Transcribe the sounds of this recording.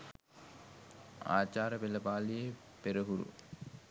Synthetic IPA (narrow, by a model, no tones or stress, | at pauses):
a̰ːt͡ʃaːɾɐbelɐbaːlije | peɾɐɦuɾṵ